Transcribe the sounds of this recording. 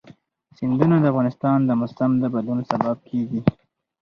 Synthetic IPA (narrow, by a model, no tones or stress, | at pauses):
sɪnd̪unad̪əafɣɑnɪst̪ɑnd̪əmʊsamd̪əbad̪lunsabab̚kʰeɡi